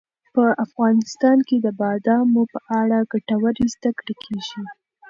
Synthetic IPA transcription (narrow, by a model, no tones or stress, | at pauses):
pəafɣɑnɪst̪ɑnked̪əbɑd̪ɑmopəʔaɽaɡaʈawəɾizd̪akɽekʰeʒi